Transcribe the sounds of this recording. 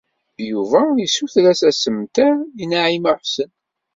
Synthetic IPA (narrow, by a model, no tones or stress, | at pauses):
bjuvæjisuθɾæsæsəmt̪æinaʕimaħsən